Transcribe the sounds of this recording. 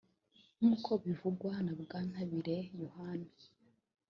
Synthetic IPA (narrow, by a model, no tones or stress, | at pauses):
muːkʰo̞βivuɡwanabɡaːn̥aβiɾe̞johana